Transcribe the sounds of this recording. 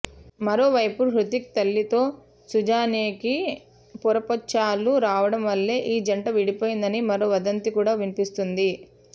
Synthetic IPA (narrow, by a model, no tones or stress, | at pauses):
mɐɾo̞ːʋɐjpuɦɾut̪ik̚t̪ɐlːit̪o̞ː | sud͡ʒaːneːki | puɾɐpɐt͡ʃːaːluɾaːʋɐɽɐmʋɐlːe̞ːʔiːd͡ʒɐɳʈɐʋiɽipo̞ːjind̪ɐnimɐɾo̞ːʋɐd̪ɐnt̪ikuːɽaːʋinipist̪und̪i